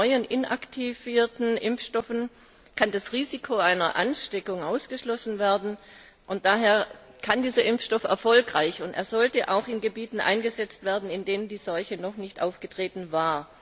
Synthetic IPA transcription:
ɔʏənʔɪnʔa̰ktʰiviːɐtn̩ʔɪmfʃtɔfn̩ | kʰandasʁiːzikʰoaɪnɐʔa̰nʃtɛkʊŋʔaʊsɡ̥əʃlɔsn̩veːɐdn̩ | ʔʊnt̚d̥aːɦeːɐ | kʰandiːzɐʔɪmfʃtɔfɛ̰ɐfɔlkʁaɪçʊntʔḛːɐzɔltəʔa̰ʊxɪnɡəbiːtn̩ʔa̰ɪnɡəzɛt͡stv̥eːɐdn̩ɪndeːnəndiːzɔlçənɔχnɪçtʔa̰ʊfɡ̥ətʁ̥eːtn̩vaːɐ

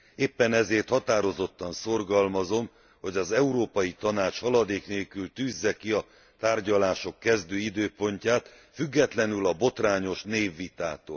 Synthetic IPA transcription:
eːpːɛnɛzeːrt̪hɒt̪aːɾo̞zo̞t̪ːɒnso̞rɡɒlmɒzo̞m | ho̞ɟɒzɛuɾoːpɒjit̪ɒnaːt͡ʃhɒlɒd̪eːkneːlkylt̪yːzːɛkiɒ | t̪aːrɟɒlaːʃo̞kːɛzd̪øːid̪øːpo̞ɲcaːt̪ | fyɡːɛt̪lɛnylɒbo̞t̪raːɲo̞ʃneːvːit̪aːt̪o̰ːl

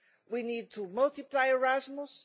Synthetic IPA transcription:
winid̚tʰəmʌltɪplaɪəɹæzmʊs

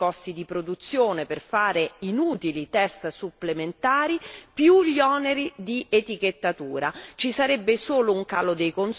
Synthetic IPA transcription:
ɔst̪id̪ipɾod̪ut̪sːjoːneperfaːɾeinuːt̪ilit̪ɛst̪supːlement̪aːɾipjuʎɔːneɾid̪iʔet̪ik̟et̪ːat̪uːɾat͡ʃisaɾɛbːesoːlouŋkaːlod̪ejkons

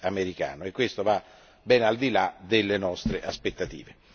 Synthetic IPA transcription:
ameɾika̰ːnoekːwest̪ova | bɛnald̪ilad̪elːenɔst̪ɾeʔaspet̪ːat̪ḭːve

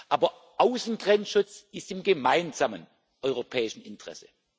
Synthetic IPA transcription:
ʔaːbɐ | ʔaʊsn̩ɡ̥ʁɛnʃʊt͡sɪstɪmɡəmaɪnzamən | ʔɔʏʁopʰɛːɪʃn̩ɪntʁ̥ɛ̰sə̥

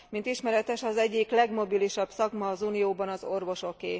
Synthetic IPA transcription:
mint̪iʃmɛɾɛt̪ɛʃɒzɛɟːiklɛɡmo̞biliʃɒbsɒɡmɒːzuːnijoːbɒnɒzo̞rvo̞ʃo̞keː

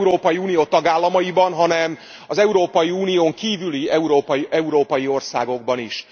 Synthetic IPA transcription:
uɾoːpɒjiuːnijoːt̪ɒɡaːlːɒmɒjibɒnɦɒnɛm | ɒzɛuɾoːpɒjiuːnijoːŋkiːvyliɛuɾoːpʔɛuɾoːpɒjio̞rsa̰ːɡo̞ɡ̚bɒniʃ

